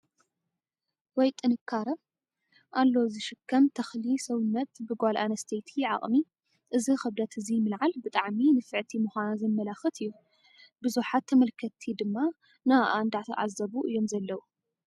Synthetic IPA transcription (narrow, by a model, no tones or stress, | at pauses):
wɔjt̪ʼɨnɨkʰːaɾɐ | ʔalːo̞zɨʃɨkʰːɐmt̪ʰɐxlisɐwɨnːɐt̪bɨɡʷalʔanɐst̪ʰet̪ʰijɪʕa̰χʼmi | ʔɨzixɐβd̪ɐt̪ʰɨzimɨlʕalbɨt̪ʼaʕminɨfɨʕt̪ʰimɨxʷanazɐmːɐlaxɨt̪ʰɨjːu | bɨzuħat̪ʰːɐmɐlkʰɐt̪ʰid̪ɨmːa | naʔand̪at̪ʰɐ̰ʔa̰zːɐβuʔɨjːo̞mzɐlːɐwu